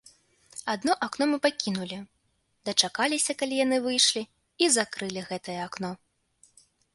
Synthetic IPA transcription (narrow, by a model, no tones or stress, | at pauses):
ad̪̚nɔʔaknɔmɨpakʲin̪ulʲi | d̪ɐt͡ʂakalʲisʲɐkalʲijan̪ɨvɨjʂlʲi | izakɾɨlʲiɣɛt̪ɐjɛaknɔ